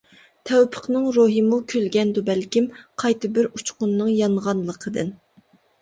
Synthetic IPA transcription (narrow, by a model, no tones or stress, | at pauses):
t̪ʰɛwpʰə̥qnɨŋɾoɦimukʲʰølɡʲɛnd̪ubɛlkʲimqʰɑjt̪ɨbɪɾut͡ʃqʊnːɨŋjɑɴʁɑnlˠəqʰəd̪ɨn